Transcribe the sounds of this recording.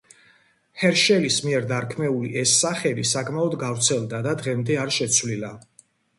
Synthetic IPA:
hɛɾʃɛlismiɛɾd̪aɾkʰmɛulḭʔɛsːaχɛd̪isakʰmaɔd̪ɡavɾt̪sʰɛlˠd̪ad̪ad̪ʁɛmd̪ɛaɾʃɛt̪sʰvlila

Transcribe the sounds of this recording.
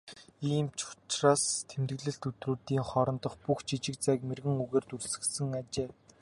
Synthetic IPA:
iːmt͡ɕʰʊ̥t͡ɕraːst̪ʰemt̪ɡɘ̆ɮɘ̆ɬt̪ut̪ruːt̪iːŋχɔɾɞ̆nt̪ɞ̆χpuxt͡ɕʰit͡ɕɪ̆kt͡sæːkmerɣɘ̆ŋuɣeːrt̪ursɘ̆ksɘ̆ŋat͡ɕeː

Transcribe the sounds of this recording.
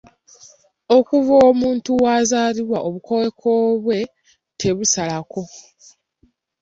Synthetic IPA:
o̞kuvoːmuːntuwaːzaːliβwaʔo̞βuko̞we̞kʰoːβwe̞ | tʰe̞βusalako̞

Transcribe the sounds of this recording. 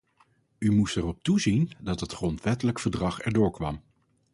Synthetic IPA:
ymustɛrɔp̚tuzindɑtɦətχrɔntʋɛtələkfəɹdrɑχɛ̰ɹdʊːɹkʋɑ̰m

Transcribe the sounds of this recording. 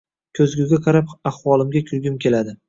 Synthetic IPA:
kʲʰɵzɡʲʊɡʲaqʰɑɾapahwɒlˠɪmɡʲakʲʰʊɾɡʲɪmkʲʰe̞lad̪ɪ

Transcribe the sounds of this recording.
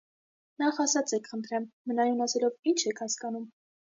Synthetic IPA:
nɑχɑsɑt͡sɛkʰχənt̪ʰɾɛmːənɑjunɑsɛlɔvint͡ʃʰɛkʰhɑskɑnum

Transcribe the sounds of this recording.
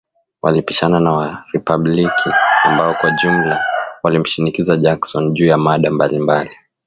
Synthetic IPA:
wʔa̰lipi̥ʃananawaɾipaɓlikʰiambaɔkwaʄum̩lawalim̩ʃinikizaʄaksɔnʄuːjamaɗambalimbali

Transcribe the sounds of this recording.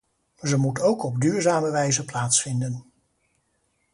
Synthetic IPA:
zəmutowkɔb̚dyːɹzaːməʋɛjzəplaːtsfɪndən

